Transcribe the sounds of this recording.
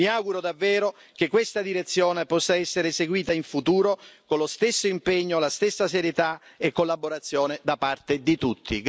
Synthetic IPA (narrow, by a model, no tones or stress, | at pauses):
iaɡuɾod̪avːɛːɾo | k̟ekːwest̪ad̪iɾet̪sːjɔːnepɔsːaɛsːeɾeseɡwiːt̪aiɱfut̪uːɾokonlost̪esːoimpeɲːolast̪esːaseɾjet̪aekːolːaboɾat̪sːjɔːned̪apart̪ed̪it̪ut̪ːḭɡ